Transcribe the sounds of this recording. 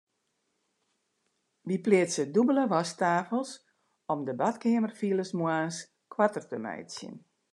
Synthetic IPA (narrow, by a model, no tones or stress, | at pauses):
ʋiplɪətsədubələʋɔstaːfəlˠs | ɔmdəbatkɪəmərfiəlˠəsmwaːns | kʰwatərtəmɛ̰jsjə̰n